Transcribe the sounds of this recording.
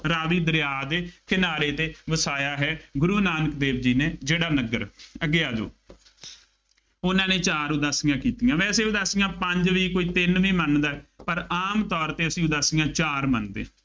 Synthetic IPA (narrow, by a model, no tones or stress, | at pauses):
ɾaːʋiːd̪ɾɪjaːd̪eːkɪnaːɾeːt̪eːʋəsaːjaːɦɛːɡʊɾuːnaːnəkd̪eːbd͡ʒiːneːd͡ʒeːɽaːnəɡəɾəɡeːaːd͡ʒo̰ː | ʊnãːneːt͡ʃaːɾʊd̪aːsɪjãːkiːt̪ijãːʋɛːseːʊd̪aːsɪjãːpəɲd͡ʒʋiːkoːiːt̪ɪnʋiːmənd̪aːɛpəɾaːmt̪ɔːɾt̪eːəsĩːʊd̪aːsɪjãːt͡ʃaːɾmənd̪ḛː